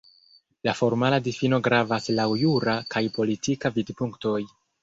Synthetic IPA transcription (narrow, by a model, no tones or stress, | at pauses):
lafo̞ɾmaladifino̞ɡɾavaslawjuɾakʰajpo̞litʰikavidpuŋkto̞j